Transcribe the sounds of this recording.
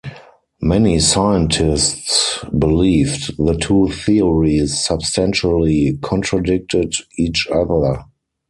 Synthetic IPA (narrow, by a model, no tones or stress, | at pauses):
mɛnisaɪə̃ntʰɪstsbɪliːvtðətʰuːθiɔɹisːabstæ̃nʃəlikʰɔ̃ntʰɹadɪk̚tɪdiːt͡ʃaðə˞